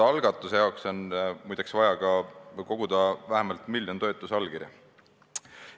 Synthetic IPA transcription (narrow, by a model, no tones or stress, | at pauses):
ɑɑlɡ̥ɑt̪ːˑusejɑokso̞nmujd̪̥eksvɑjɑkɑko̞ɡ̥ud̪̥ɑvæɦemɑlt̪ˑmilʲjont̪o̞et̪ːˑusɑlkirjɑ̰